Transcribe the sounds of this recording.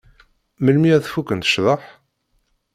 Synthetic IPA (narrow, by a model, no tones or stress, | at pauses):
məlmiæθfukːənt̪ə̥ʃðˤəħ